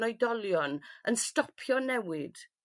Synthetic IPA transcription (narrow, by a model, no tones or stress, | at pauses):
ɔjdɔlˠjɔnʔənstɔpʰjɔnɛwɪd̥